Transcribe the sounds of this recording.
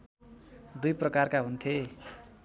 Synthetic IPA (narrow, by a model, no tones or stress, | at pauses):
d̪ujprʌkarkaɦunt̪ʰe